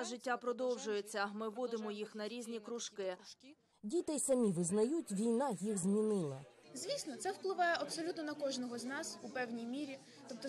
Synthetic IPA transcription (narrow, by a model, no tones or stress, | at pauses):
ʒɪtʲːapɾɔd̪ɔwʒʊjet͡sʲːɐmɪʋːɔd̪ɪmɔjixnɐɾʲizʲnʲikɾʊʃkɪ | dʲit̪ɛjsɐmʲiʋɪznɐjutʲʋʲijnɑjixzmʲinɪlˠɐ | zʲʋʲisnɔt̪sɛwplˠɪʋɑjɛʔɐpsɔlʲut̪nɔnɐkɔʒnɔɦɔznɑsupɛwnʲijmʲiɾʲi | t̪ɔp̚t̪ɔ